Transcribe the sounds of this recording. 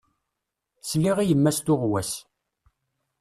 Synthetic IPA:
sliʁijəmːæst̪ʊʁwæs

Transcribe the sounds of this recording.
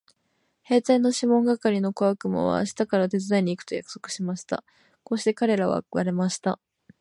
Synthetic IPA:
he̞ːt̪aino̞ɕimõ̞ŋɡakaɾʲino̞koakɯ̟mo̰βa̰ɕi̥t̪akaɾat̪e̞t͡sɨzaiɲ̟iːkɯ̟̥t̪o̞jakɯ̟̥so̞̥kɯ̟̥ɕimaɕi̥t̪a̰ | ko̞ːɕi̥t̪e̞kaɾe̞ɾaβ̞a̰ɯβa̰ɾe̞maɕi̥t̪a

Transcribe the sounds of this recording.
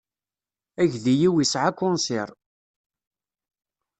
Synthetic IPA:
æʝðijiwisʕakːʊnsɪɾˤ

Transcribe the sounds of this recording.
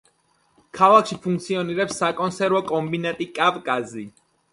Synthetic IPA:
kʰalˠakʃipʰũŋk̚t̪sʰiɔniɾɛpsːakʼɔnsɛɾvɔkʼɔmbinat̪ʼikʼavkʼazi

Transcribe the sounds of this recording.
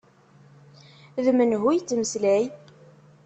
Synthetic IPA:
ðmənɦujt͡sːməslæj

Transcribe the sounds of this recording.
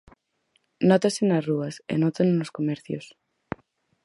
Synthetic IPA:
not̪asenazruasḛnot̪annloskomeɾθjo̰s

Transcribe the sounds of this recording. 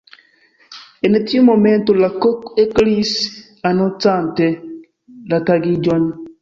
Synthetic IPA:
enetomomɛntolakɔkeklis | anot͡santɛ | lataɡid͡ʒɔni

